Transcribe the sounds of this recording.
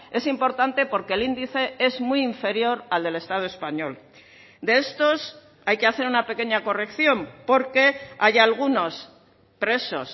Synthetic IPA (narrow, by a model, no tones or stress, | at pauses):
e̞simpo̞ɾt̪ant̪e̞po̞ɾke̞ːlind̪iθe̞e̞zmujiɱfe̞ɾjo̞ɾald̪e̞le̞st̪að̞oe̞spaɲo̞l | d̪e̞est̪o̞s | ajke̞aθe̞ɾunape̞ke̞ɲako̞re̞kθjo̞mpo̞ɾke̞ajalɣ̞uno̞s | pɾe̞so̞̰s